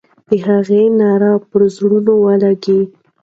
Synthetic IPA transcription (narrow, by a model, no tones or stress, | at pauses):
d̪̥əɦaɣenɑɾɑpəɾzɽunowəlaɡi